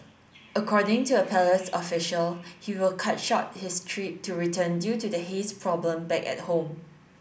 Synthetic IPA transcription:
əkʰɔdɪ̃ŋtuəpʰɛləsɔfɪʃəlhiwɪlkʰat̚ʃɔt̚hɪstʰɹip̚tʰuɹitʰə̃ndjutudəɦespʰɹɔblə̃mbɛkɛ̰t̚hõm

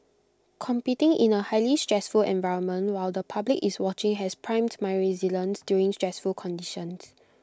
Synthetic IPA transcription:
kʰɔ̃mpitɪ̃ŋʔḭ̃nəhaɪlistɹ̥ɛsfulɛ̰̃nvaɪɹə̃nmə̃ntwaɪldəpʰablikiswɔt͡ʃɪ̃ŋɦɛspʰɹãɪ̃mtmaɪɹizilə̃nsdjuɹĩŋstɹɛsfulkʰɔ̃ndiʃə̃ns

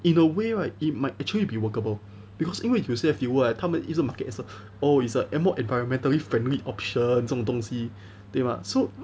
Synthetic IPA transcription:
ĩnəweɹaɪit̚maɪt̚ɛk̚t͡ʃuəlibiwəkəbəl | b̥ikʰɔsiniwɛ̃juseəfjiwəatʰamãnʔisə̃makət̚ɛsə | oitsəʔɛmɔʔɛ̃nvajɹɔ̃nmɛ̃ntəlifɹɛ̃nliʔɔpʃə̃nsɔ̃ŋdɔ̃ŋsi | t̪ẽma̰so

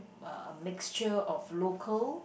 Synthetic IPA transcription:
mɪkst͡ʃəɔflokʰəl

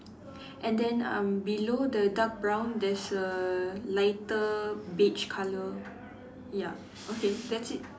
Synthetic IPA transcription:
ʔɛ̃ndɛ̃nʌ̰̃mbilodədak̚bɹãw̃ndɛsəlaɪtəbit͡ʃkʰalə | ja | ʔokedɛtsit̚

